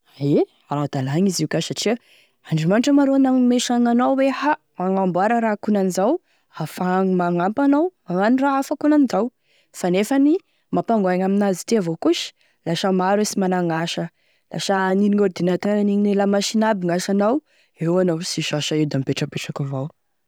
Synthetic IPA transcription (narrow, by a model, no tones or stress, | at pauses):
ae | aɾad̪alaɲiziwkʲasaʈ͡ʂiə | aɳɖ͡ʐimanʈ͡ʂəmaɾonameʃaŋanowweha | maŋambwaɾəɾakunanizaw | afaŋimaŋampanawmaŋaniraafakunanizaw | fanefani | mapaŋɡaɲaminazit̪eavokuʃi̥ | laʃamaɾesimanaŋaʃə | la̰ʃaaniniŋoɾid̪inat̪ananiɲinelamaʃinabiŋaʃanaw | ewanowsiʃaʃaiwd̪amipeʈ͡ʂəpeʈ͡ʂakavow